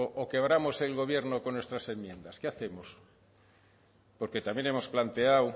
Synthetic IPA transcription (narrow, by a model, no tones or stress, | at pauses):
oʔoke̞β̞ɾamo̞se̞lɣo̞βje̞ɾno̞ko̞nːwest̪ɾase̞mjẽ̞nd̪askeaθe̞mo̞s | po̞ɾke̞t̪amje̞ne̞mo̞splant̪e̞aw